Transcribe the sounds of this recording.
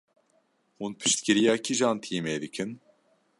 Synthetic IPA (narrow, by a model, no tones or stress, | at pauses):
hunpʰɨ̥ʃt̪kʲiɾijakʲʰiʒant̪ʰiemed̪ikʰɨn